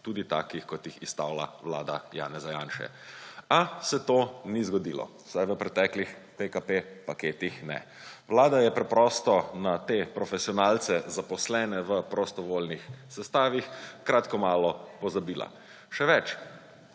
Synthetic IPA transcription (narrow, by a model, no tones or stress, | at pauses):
t̪uːd̪it̪a̰ːkixkɔt̪jixist̪a̰ːwla̰ʋla̰ːd̪a̰ja̰ːnɛzajaːnʃɛ̰ | asɛt̪oːnizɡɔd̪iːlɔ̰ | sajʋəpɾɛt̪ɛːklix | pekapepakeːt̪ixnɛ̰ | ʋlaːd̪ajɛpɾɛpɾɔst̪ɔnat̪eːpɾɔfɛsiɔnaːlt̪sɛzapɔslɛːnɛʋəpɾɔst̪ɔʋoːlnixsɛst̪aːʋixkɾaːt̪kɔmaːlɔpɔzabiːla̰ | ʃɛʋɛt͡ʃ